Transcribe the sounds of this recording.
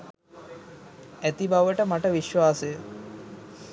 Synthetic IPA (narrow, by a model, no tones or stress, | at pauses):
æt̪ibaʋəʈəmaʈəʋiʃʋaːsəjə